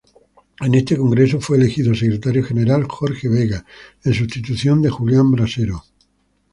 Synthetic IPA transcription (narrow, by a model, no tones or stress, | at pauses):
e̞ne̞st̪e̞ko̞ŋɡɾe̞sofweːle̞xiðosekɾe̞t̪aɾjoxe̞ne̞ɾalxoɾxe̞β̞e̞ɣaens̬ust̪it̪uθjo̞nd̪e̞xuljambɾase̞ɾo